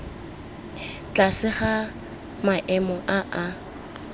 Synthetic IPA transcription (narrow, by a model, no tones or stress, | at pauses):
t͡ɬʼasɪχa | maʔɛmɔʔaʔa